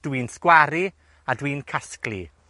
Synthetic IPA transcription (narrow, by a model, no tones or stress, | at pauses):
d̥wiːnskwaɾi | adwiːnkʰasklḭ